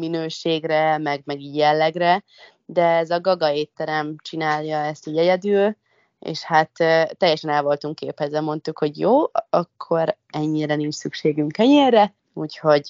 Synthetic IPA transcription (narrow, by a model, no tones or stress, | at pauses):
minøːʃeːɡrɛmɛɡmɛɡiɛlːɛɡrɛ | d̪ɛɛzɒɡɒɡɒeːt̪ːɛɾɛmt͡ʃinaːljɒɛst̪iɟɛɟɛd̪yːl | ḛːʃhat̪ːɛjːɛʃɛnɛlvo̞lt̪uŋkːeːphɛzɛmo̞nt̪ukho̞ɟjoːɒkʰːo̞ɾ | ɛɲːiɾɛnint͡ʃsykʃeːɡyŋkɛɲeːrːɛ | uːcho̞ɟ